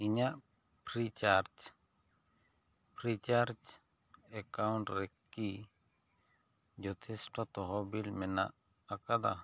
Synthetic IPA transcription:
iɲaʔ | pɾit͡ʃaɾd͡ʒ | pɾit͡ʃaɾd͡ʒ | ɛkawɳʈɾɛki | d͡ʒɔt̪ʰɛsʈɔt̪ɔɦɔbilmɛna̰ʔ | akad̪a

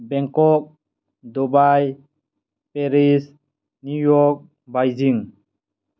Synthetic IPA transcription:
bɛŋkɔk̚ | dɔbaj | peɾis | nujɔk̚ | bajd͡ʒiŋ

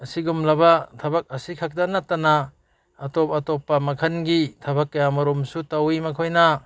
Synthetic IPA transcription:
ɐsiɡumlɐbatʰɐbak̚ɐsikʰak̚danatɐnaː | tɔp̚ɐtɔpːɐmɐkʰɐnɡitʰɐbakːɐjamɐɾumsutawimɐkʰojna

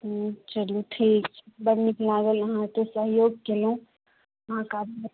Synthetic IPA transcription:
t͡ʃəluʈʰiːk̚bəɾmiklaːɡəlɐɦãt̪osəɦjoːɡ̚kelũ | ɐɦãkaːb

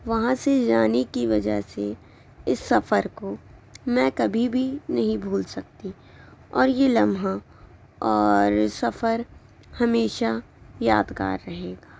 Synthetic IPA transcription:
ʋɐɦãsed͡ʒaːnekiʋɐd͡ʒə̰ɦse | ɪsːɐfəɾkomɛ̃kɐbʱibʱinɐɦĩbʱuːlsɐkt̪i | ɔːɾjelɐmɦa | ɔːɾsɐfəɾ | hɐmeːʃa | jaːd̪ka̰ːɾːɐɦeːɡaː

